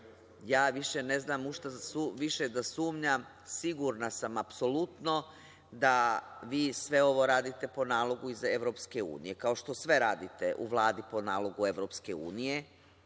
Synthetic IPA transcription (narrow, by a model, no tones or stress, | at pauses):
jaːʋiʃene̞znaːmuʃt̪asuʋiʃed̪asuːmɲa | siɡuɾnasamapso̞lˠut̪no̞ | d̪aʋiːsʋe̞o̞ʋo̞ɾaːd̪it̪e̞po̞naːlˠo̞ɡuizeʋɾo̞ːpske̞ṵːnḭje̞kao̞ʃt̪o̞sʋe̞ɾaːd̪it̪e̞ʔṵʋlˠaːd̪ipo̞naːlˠo̞ɡue̞ʋɾo̞ːpske̞ṵːnije̞